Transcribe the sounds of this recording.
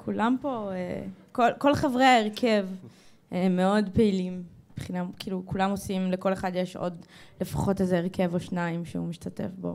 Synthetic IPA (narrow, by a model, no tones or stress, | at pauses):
kʰulampo̞ekolko̞lχevʁeaeʁkʰe̞v | eme̞o̞dpe̞ilim | ib̥χinakiːlukulamosimle̞ko̞le̞χadjeʃo̰dle̞fḁχo̞tezeːʁke̞voʃnaimʃḛumiʃtate̞̰fbo̞̰